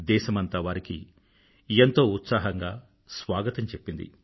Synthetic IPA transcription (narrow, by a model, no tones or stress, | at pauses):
d̪ɛːʃɐmɐnt̪aːʋaːɾiki | ent̪o̞ːut̪saːɦɐŋɡaː | sʋaːɡɐt̪ɐɲt͡ʃe̞pːind̪ḭ